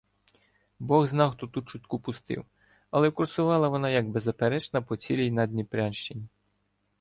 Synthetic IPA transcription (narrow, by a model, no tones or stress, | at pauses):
bɔɣznɑwxt̪ɔt̪ut͡ʃʊt̪ʲkupʊst̪ɪ̰w | ɐlˠɛkʊrsʊʋɑlˠɐʋɔnɑjɐɡbezɐpeɾɛt͡ʃnɐpɔt͡sʲilʲijnɑd̪ʲnʲipɾʲanʃt͡ʃenʲːi